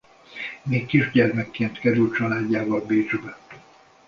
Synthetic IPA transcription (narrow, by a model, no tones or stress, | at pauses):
meːkːiʒɟɛrmɛkːeːnt̪kɛɾylt̪t͡ʃɒlaːɟːaːvɒlbeːd͡ʒbɛ